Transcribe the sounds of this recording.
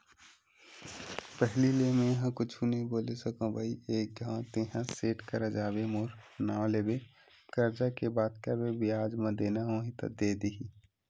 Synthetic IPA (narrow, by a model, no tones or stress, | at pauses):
pəɦlilemẽjɦãkʊt͡ʃʰunəɦĩboːlesəkõbʱəieːk̚ɡʱãːt̪eɦãseːʈkəɾad͡ʒaːbemoːɾnãleːbe | kəɾd͡ʒakebaːd̪̚kaɾbebʱiaːd͡ʒmə̃d̪eːnaɦõːɦĩt̪ɐ̰d̪eːd̪iɦi